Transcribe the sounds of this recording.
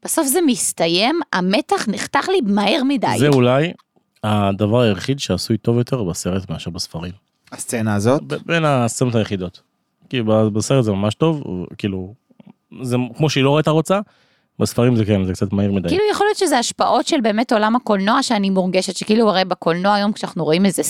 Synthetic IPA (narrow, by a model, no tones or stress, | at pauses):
b̥eso̞fzemist̪aje̞mametaχniχt̪aχlibmaiʁmida̰jzeulaj | ad̪avaʁajeχid̪ʃeasujt̪o̞vjo̞t̪ʰeʁbase̞ʁetmeaʃeʁbesfaʁim | ast͡senaːzotbbenast͡senotajeχid̪o̞t̪ | kilubabese̞ʁetzemamaʃt̪o̞vv̰kiːlu | zekmoʃeiloʁoeit̪aʁot͡sa | besfaʁimzekenzekt͡sat̪maiʁmid̪akilujaχo̞lijot̪ʃezeaʃpaʔo̞tʃelbe̞ːmeto̞lamako̞lno̞aʃeanimuʁɡeʃetʃekiiluaʁejbekolnoaːjo̞mkʃeanaχnuʁoimeze